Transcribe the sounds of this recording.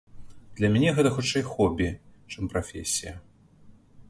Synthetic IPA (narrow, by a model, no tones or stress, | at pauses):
d̪̥lʲɐmʲɛnʲɛɣɛt̪ɐxut͡ʂɛjxɔbʲit͡ʂɨmpɾafʲḛsʲijɐ